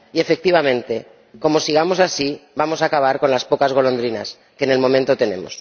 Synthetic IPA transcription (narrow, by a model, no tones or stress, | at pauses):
ie̞fek̚t̪iβ̞amẽ̞nt̪e̞ | ko̞mo̞siɣ̞amo̞sasiβamo̞saːkaβ̞aɾko̞nlaspo̞kazɣ̞o̞lo̞nd̪ɾinas | ke̞ne̞lmõ̞mẽ̞nt̪o̞t̪e̞nẽ̞̰mo̞̰s